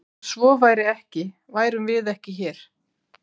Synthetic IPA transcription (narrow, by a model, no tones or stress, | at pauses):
svɔːvaːjɾɪɛhcɪ | vaːjɾʏmvɪðɛhcɪçɛːɾ̥